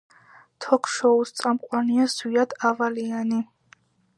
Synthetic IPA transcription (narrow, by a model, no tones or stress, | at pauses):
t̪ʰɔkʰʃɔust̪sʼamqʼwaniazwiad̪̥avaliani